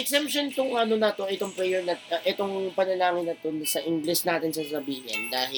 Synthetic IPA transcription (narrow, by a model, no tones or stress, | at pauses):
ɛksɛmpʃont̪ʊŋʔɐnonɐt̪o̞ʔɛt̪oŋpɾɛjɛɹnɐt̪ʔɛt̪o̞ŋpɐnɐlaːŋɪnɐt̪o̞nɐsɐʔɪŋɡlɛsnaːt̪ɪnsɐsɐbiːhɪ̰nd̪aːhɪ